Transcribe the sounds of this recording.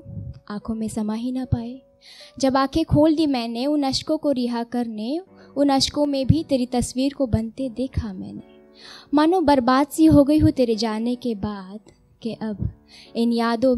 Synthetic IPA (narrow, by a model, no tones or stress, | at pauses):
aːkʰõmẽsɐmaːɦinɐpaːe | d͡ʒɐbaːkʰekʰoːld̪imɛːneʊnɐʃkõkoɾɪɦakɐɾneʊnɐʃkõmẽbʱit̪eːɾit̪ɐswiːɾkobɐnt̪ed̪eːkʰamɛ̰̃ːne | maːnõbɐɾbaːd̪siɦoɡɐiɦut̪eːɾed͡ʒaːnekebaːd̪ | keʔɐb | ɪnjaːd̪õ